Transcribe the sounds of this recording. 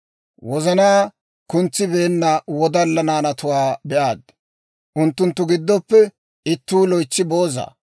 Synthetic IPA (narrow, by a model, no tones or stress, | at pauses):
wɔzɐnaː | kʊnt͡sːɪbeːnːɐwɔd̪ɐlːɐnaːnɐt̪ʊwaːbɛʔaːd̪ | ʔʊnt̪ːʊnt̪ːʊɡɪd̪ːɔpːɛ | ɪt̪ːuːlɔjt͡sːɪbo̞ːza̰ː